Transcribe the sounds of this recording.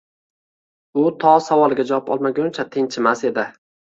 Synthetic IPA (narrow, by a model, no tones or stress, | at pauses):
ʊt̪ʰɒsavɒlˠɪɡʲad͡ʒavɒpɒ̰lˠmaɡʲʊnt͡ʃʰat̪ʰɪŋt͡ʃʰɪmase̞d̪ɪ